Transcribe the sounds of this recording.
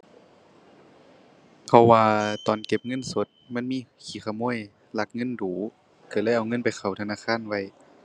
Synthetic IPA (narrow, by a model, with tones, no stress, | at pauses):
pʰɔ˧˩waː˧t̪ɔː˨˩nke˧˦p̚ŋɤ˧˥˨nso˨˦t̪̚ma˧˥˨nmiː˧˥˨kʰiː˨˩xʰaː˧˩moː˧˥˨j | la˧˦k̚ŋɤ˧˥˨nduː˨˦ | kʰa˧˩laː˧˥˩jʔa˨˩wŋɤ˧˥˨npa˨˩jxʰa˨˩wt̪ʰa˧naː˧˥˨xʰaː˧˥˨nwa˧˩j